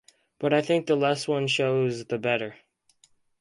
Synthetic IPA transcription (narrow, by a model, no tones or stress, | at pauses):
b̥ʌɾaɪθɪ̃ŋk̚ðəlɛs̚wʌ̃nʃoʊzðɨbɛɾə˞